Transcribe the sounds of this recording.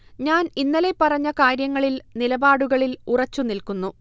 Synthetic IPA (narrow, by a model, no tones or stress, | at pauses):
ɲaːninːɐle̞pːɐrɐɲːɐkaːɾjɐŋːɐɭilnilɐbaːɽuɣɐɭilurɐt͡ɕːunilkunːu